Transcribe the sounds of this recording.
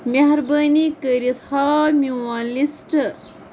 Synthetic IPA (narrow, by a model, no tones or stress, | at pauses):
mʲeɦɾbɐnikəɾit̪ʰhaːmʲuwaːnlisʈ